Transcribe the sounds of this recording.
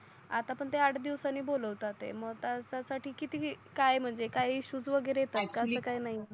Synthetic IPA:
at̪apəɳt̪eaʈʰd̪iʋsanːiːboləʋt̪at̪ḛməɡt̪jasasaʈiːkit̪iːkajm̤əɳd͡zekaɦiiɕuːd͡zʋəɡəɾejet̪at̪̚kasəːkajnaɦi

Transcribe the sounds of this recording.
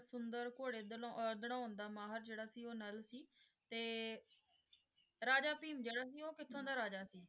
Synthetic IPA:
sʊnd̪əɾkoːɽeːd̪d̪əɽãːnd̪aːmaːɦəɾd͡ʒeːɽaːsiːoːnəlsiː | t̪eː | ɾaːd͡ʒaːpiːmd͡ʒeːɽaːsiːoːkɪt̪ʰːõːd̪aːɾaːd͡ʒaːsiː

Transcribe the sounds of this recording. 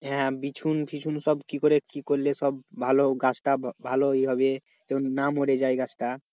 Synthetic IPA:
ɦɛ̃bit͡ʃʰunpʰit͡ʃʰunsɔbkikɔɾekikɔɾlesɔbbʱaloɡasʈabʱaloiɦɔbe | t̪ennamoɾed͡ʒajɡasʈa

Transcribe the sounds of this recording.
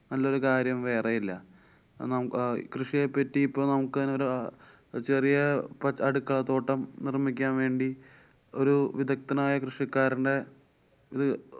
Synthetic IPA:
nɐlːɐo̞ɾukaːɾjɐmʋe̞ːrejilːɐ | nɐmkrɨʂijepːɐtːijipːoːnɐmukːɨðino̞ɾu | t͡ɕerijɐpɐɐɽukːat̪ːo̞ːʈːɐmnirmikʲːaːnʋe̞ːɳɖi | o̞ɾuʋid̪ʱɐk̚t̪ɐnaːjɐkrɨʂikːaːɾuɳɖe̞ | iðɨ

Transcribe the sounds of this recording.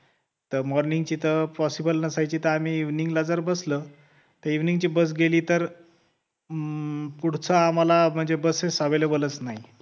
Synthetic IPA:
t̪əmɔɾniŋɡt͡ɕiːt̪əpɔsibəlnəsajt͡ɕiːt̪əam̤iːʋniŋɡlad͡zəɾbəslə | t̪əɾiʋniŋɡt͡ɕiːbəs̬ɡeliːt̪əɾ | puɽ̤t͡səːm̤alam̤əɳd͡zebəsesaʋelebolət͡snaɦi

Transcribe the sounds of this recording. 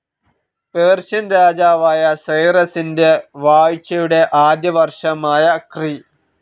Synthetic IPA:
peːrɕɐnɾaːd͡ʑaːʋaːjɐsɐjrɐsinde̞ʋaːɻit͡ɕːɐjuɽe̞ʔaːd̪jɐʋɐrʂɐmaːjɐkri

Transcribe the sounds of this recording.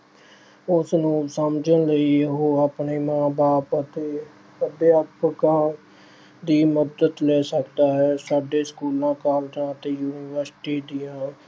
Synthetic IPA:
ʊsnũːsəmd͡ʒənləiːeɦoːapɳeːmãːbaːpət̪eː | əɖ̪eapɡãː | d̪iːməd̪əd̪lɛːsəkd̪aːɦɛːsaːɖeːskuːlãːkaːld͡ʒãːət̪eːjuːnɪʋəɾsʈiːd̪ijãː

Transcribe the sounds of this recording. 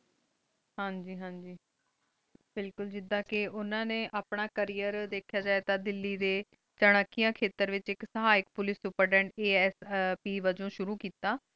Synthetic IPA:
hãːɲd͡ʒiːɦãːɲd͡ʒiː | bɪlkʊld͡ʒɪd̪ãːkɪʔʊnãːnẽːʔaːpɳaːkəɾiːəɾd̪eːkʰjaːd͡ʒaːet̪ãːd̪ɪlːiːd̪eː | t͡ʃəɽ̃akːijãːkʰeːt̪əɾʋɪt͡ʃɪksəɦaːɪk̚pʊlɪsʊpəɾɖɛ̃ːɳɖeːɛspiːʋəd͡ʒõːʃʊɾuːkiːt̪aː

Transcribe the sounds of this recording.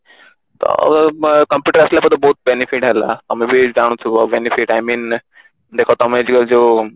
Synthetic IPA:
t̪ɔ̰kɐmpjuːʈəɾəslapət̪əboːt̪̚benifiʈala̰t̪ɐmẽbʱid͡ʑaɽ̃ũt̪ʰuabenifiʈajmiːn | d̪eːkʰot̪ɐmẽd͡ʑiɡəld͡ʑo

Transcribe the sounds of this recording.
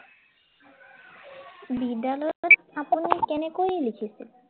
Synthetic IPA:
bid̪alɔɔɾapunikenekojlikʰisi

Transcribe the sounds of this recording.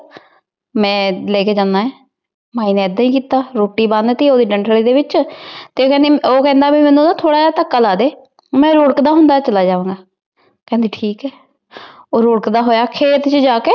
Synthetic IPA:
mɛ̃ːleːkeːd͡ʒãːnd̪aːɦɛː | maːiːnẽːɛd̪ːĩːkiːt̪aːɾoːʈːiːbənd̪t̪iːoːd̪iːɖəɳʈəliːd̪eːbɪt͡ʃt̪eːoːkɛ̃ːnd̪eːoːkɛ̃ːnd̪aːbiːmɛ̃ːnũːd̪aːt̪ʰoːɽaːaːt̪əkːaːlaːd̪eː | mɛ̃ːɾoːɽkd̪aːɦʊnd̪aːt͡ʃəlaːd͡ʒaːʋãːŋɡaː | kɛ̃ːnd̪eːʈʰiːkɛː | oːɾoːɽkd̪aːɦoːjaːkʰeːt̪t͡ʃəd͡ʒaːkeː

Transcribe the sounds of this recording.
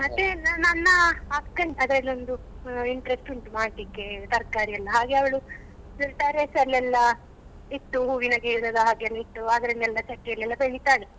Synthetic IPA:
mɐt̪ːenɐnɐnːɐaːp̚kɐɳɖɐd̪ɾɐlːiond̪u | iɳʈɐɾesʈuɳʈmaːɖʈlikːet̪ɐɾkaːɾiɐlːɐɦaːɡeɐʋɐɭu | silʈaːɾesɐlːɛlːɐ | it̪ːuɦuːʋinɐɡeːɭunɐd̪ɐɦaːɡeɐlːɐit̪ːuaːd̪ɐɾɐnɛlːɐt͡ʃɐʈːijɐlːɛlːɐbeɽit̪aːɭi

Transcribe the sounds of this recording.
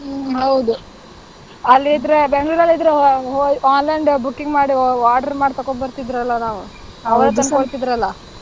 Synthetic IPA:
ɦɐwd̪u | ɐlːiːd̪ɾe̞beŋɡluɾɐlːid̪ɾeɦoaːnlɐɳɖbukːiŋɡmaːɽiaːʈɐɾmaːɖt̪ɐkːobɐɾt̪id̪ɾɐlːɐnaːʋu | ɐʋɐɾut̪ɐnkoɭt̪id̪ɾɐlːɐ

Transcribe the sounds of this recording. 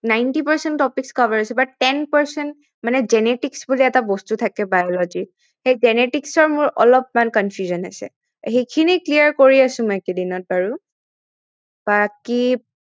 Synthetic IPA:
najntipaɹsɛnɔpikskavaɹasɛbaʈɛnpaɹsɛnt | manɛzɛneʈiksbuliɛtabɔstutʰakɛbajɔlɔd͡ʒi | xejzɛneʈiksɔɹmʊɹɔ̰lɔp̚mankɔnfʰjuzɔna̰sɛ̰ | xejkʰiniklijaɹkoɹiasʊ̃mɔjkedinɔt̚baɹu | b̥aki

